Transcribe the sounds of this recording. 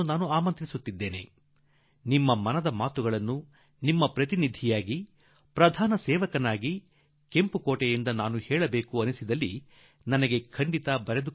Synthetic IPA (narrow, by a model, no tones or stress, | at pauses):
unaːnuaːmɐnt̪ɾisut̪ːid̪ːe̞ːne̞̰ | nimːɐmɐnɐd̪ɐmaːt̪uɡɐɭɐnːu | nimːɐpɾɐt̪inid̪ʱijaːɡi | pɾɐd̪ʱaːnɐsɛːʋɐkɐnaːɡi | kempukoːʈɛjind̪ɐnaːnuhɛːɭɐbeːkuɐnisid̪ɐlːi | nɐnɐɡe̞kʰɐɳɖit̪ɐbɐɾed̪u